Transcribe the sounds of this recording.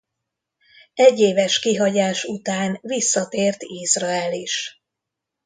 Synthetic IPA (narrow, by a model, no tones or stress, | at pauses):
ɛɟːeːvɛʃkiɦɒɟaːʃut̪aːnvisːɒt̪eːrt̪izrɒɛliʃ